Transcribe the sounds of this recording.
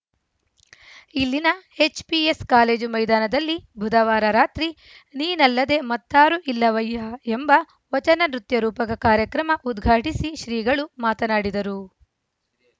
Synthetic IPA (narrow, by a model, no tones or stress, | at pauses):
ilːinɐe̞t͡ʃpieskaːle̞ːd͡ʒumɐjd̪aːnɐd̪ɐlːibʱud̪ɐʋaːɾɐɾaːt̪ɾi | niːnɐlːɐd̪e̞mɐt̪ːaːɾuʔilːɐʋɐjɐembɐ | ʋɐt͡ʃɐnɐnɾut̪jɐɾuːpɐɡɐkaːɾjɐkɾɐmɐʔud̪ɡʱaːʈisiʃɾiːɡɐɭumaːt̪ɐnaːɽid̪ɐɾu